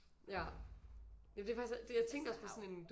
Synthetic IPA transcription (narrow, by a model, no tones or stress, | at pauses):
jæ | jɛmnd̥efɡ̥isd̥ejäɪt͡sʰeŋ̰ɡ̥ɐɒspʰɒsɒ̽ne̝nd̥